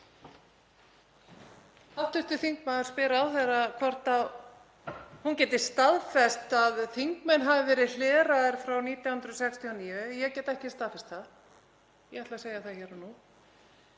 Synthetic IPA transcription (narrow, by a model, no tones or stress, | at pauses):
awt̪ʏht̪ʏθiŋkmaðʏ̥spɪːɾaːwθeɾakʰvɔr̥t̪a | huncɛːt̪ɪst̪aðfɛst̪aðθiŋkmɛnɦavɪvɛːɾɪðlɛːɾaðɪɾ̥fɾawniːt̪jawhʏnd̪ɾɔsɛkst̪ʰiɔniːvʏjɛcɛːt̪ɛhcɪst̪aðfɛst̪θað | jɛat̪laseːjaθaðçɛːɾanu